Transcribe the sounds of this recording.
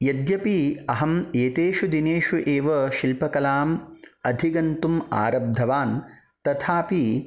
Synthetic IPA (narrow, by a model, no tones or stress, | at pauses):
jɐd̪jɐpiɐɦɐmeːt̪eːʃud̪ineːʃuʔeːʋɐʃilpɐkɐlaːmɐd̪ʱiɡɐnt̪uma̰ːɾɐb̚d̪ʱɐʋaːn | t̪ɐt̪ʰaːpi